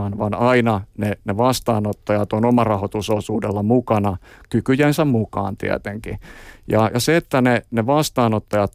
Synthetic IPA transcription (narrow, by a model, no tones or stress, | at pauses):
ɑnʋɑnɑinɑneneʋɑst̪ɑːnot̪ːɑjɑt̪onomɑrɑhot̪usosuːdelːɑmukɑnɑkykyjensæmmukɑ̰ːnt̪ḭæ̰t̪eŋkijɑjɑseet̪ːæneneʋɑst̪ɑːnot̪ːɑjɑt̪